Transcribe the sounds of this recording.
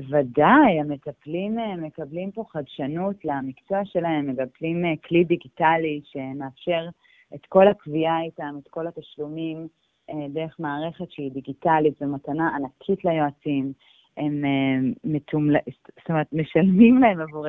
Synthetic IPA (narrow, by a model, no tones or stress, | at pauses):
vadajamet̪aplimeme̞kablimpo̞χadʃanutlamikt͡soaʃe̞laemːeɡaplimkʰlidiɡitaliʃe̞meafʃe̞ʁ | et̪ko̞lakviaitamet̪ko̞lat̪aʃlumim | edeʁeχmaːʁe̞χe̞tʃeidiɡitalitvematanaanakʰitlajo̞at͡sim | emeːetʰumlst̪omeʁt̪meʃalmimlaemavuʁe